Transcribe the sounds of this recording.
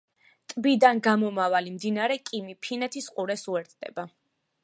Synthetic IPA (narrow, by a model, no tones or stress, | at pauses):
t̪ʼbid̪anɡamɔmavalimd̪inaɾɛkʼimipʰinɛt̪ʰisqʼuɾɛsuɛɾt̪ʰd̪̥ɛ̰ba